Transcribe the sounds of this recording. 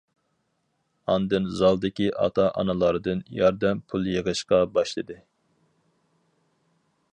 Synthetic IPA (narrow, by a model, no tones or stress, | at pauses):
ɑnd̪ɨnzɑlˠd̪ɪkʲiʔɑ̰t̪ʰɑʔɑ̰nɨlˠɑɾɨd̪ɨnjɑɾd̪ɛmpʰulˠjeʁɨʃqɑbɑʃlˠɨd̪ɨ